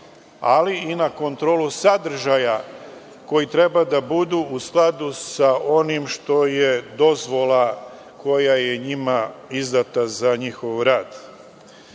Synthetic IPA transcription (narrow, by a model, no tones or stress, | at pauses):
aliinako̞nt̪ɾoːlusad̪ɾ̩ʒaja | ko̞jit̪ɾe̞bad̪abud̪uusklˠad̪usao̞nimʃt̪o̞jed̪o̞zʋo̞lˠa | ko̞jaje̞ɲimaizd̪at̪azaɲixo̞ʋɾaːd̪